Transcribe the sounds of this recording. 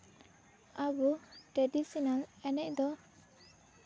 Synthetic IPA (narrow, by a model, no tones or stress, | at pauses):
abuʈɾedisinalɛnɛc̚d̪ɔ